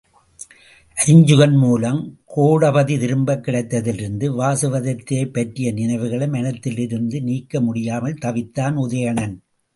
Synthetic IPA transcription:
ʔɐɾɲd͡ʒɯɣɐnmuːlɐmkʰoːɽɐbɐðiðɪɾɯmbɐkːɪɽɐɪt̪ːɐðɪlɪɾɯnd̪ɯʋaːsɯʋɐðɐt̪ːɪɐɪpːɐʈrɪjɐnɪnɐɪʋɯɣɐɭɐmɐnɐt̪ːɪlɪɾɯnd̪ɯniːkːɐmʊɽɪjaːmɐlt̪ɐʋɪt̪ːaːnʊðɐjɐɳɐn

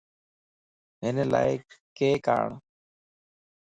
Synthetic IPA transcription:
ɦenela̰ːekeːka̰ːɳ

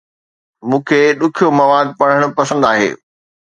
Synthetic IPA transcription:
mũːkʰeːɗʊkʰijomɐʋaːd̪̚pɐɽ̃əɽ̃ʊ̆pɐsə̃nd̪aːɦḛː

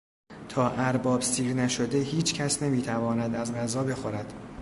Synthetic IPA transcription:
t̪ʰɒːʔæɾbɒːbsiːɾnæʃo̞d̪ehiːt͡ʃʰcʰæsnemiːt̪ʰævɒːnæd̪æzɢæzɒːbe̞xo̞ɾæd̪̥

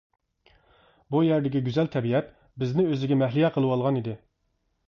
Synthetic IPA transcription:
bujæɾd̪ɪkʲiɡʲyzɛlt̪ʰɛbiɛt̪ | bɪznɪøzɪɡʲɛmɛɦlɪjɛqʰəlˠɨwɑlˠʁɑnid̪ɪ

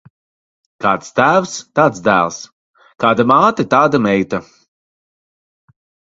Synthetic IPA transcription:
kaːt̪st̪æːwst̪aːt̪sd̪æ̰ːlˠs | kaːd̪amaːt̪ɐt̪aːd̪amɛjt̪a

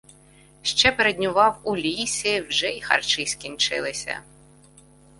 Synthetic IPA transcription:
ʃt͡ʃɛpeɾed̪ʲnʲʊʋɑwulʲisʲiwʒɛixɐ̰rt͡ʃɪsʲkʲinʲt͡ʃɪ̰lˠɪsʲɐ̰

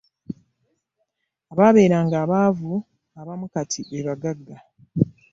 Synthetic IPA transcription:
aβaβe̞ːɾaːŋɡaːβaːvu | aβamukatʰiʔeβaɡaɡːa

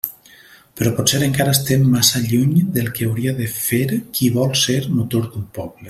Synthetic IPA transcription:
peɾɔpɔt̪seɾeŋkaɾaest̪emːasaʎuɲd̪elˠkeawɾiaðefeɾkʰiβɔlˠseɾmut̪oɾd̪umpɔβle

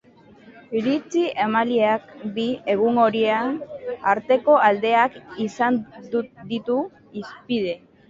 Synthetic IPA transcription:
iɾit͡siʔemalieakd̪ie̞ɣ̞uŋɡo̞ɾieanaɾt̪e̞ko̞ald̪e̞akisand̪ud̪it̪u | ispið̞e̞

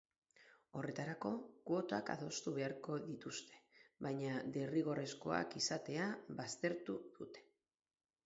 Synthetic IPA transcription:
o̞re̞t̪aɾako̞ko̞t̪oaka̰ðo̞st̪uβe̞aɾko̞ðit̪ust̪e̞̥βajɲad̪eriɣo̞re̞sko̞a̰kisat̪e̞aβast̪e̞ɾt̪uð̥ut̪e̞̥

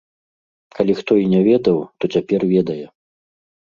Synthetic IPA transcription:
kalʲixt̪ɔinʲɛvʲɛd̪ɐwt̪ɔt͡sʲapʲɛrvʲɛd̪ɐjɛ

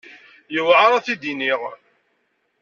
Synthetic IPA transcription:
jəwʕaɾˤaθid̪iniʁ

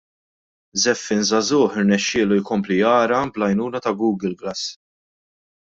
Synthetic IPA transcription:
zɛfːɪnzɐzʊːħɪɾnɛʃːɪːlujkɔmplijɐːɾɐblɐjnuːnɐt̪ɐɡuːɡɪlɡlɐsː

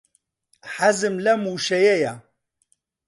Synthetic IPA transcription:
ħazɨmlɛmuːʃɛjɛja

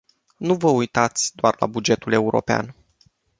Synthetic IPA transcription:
nuvəujt̪at̪sʲd̪oarla̰bud͡ʒe̞t̪ule̞uɾʔo̞̰pea̰n

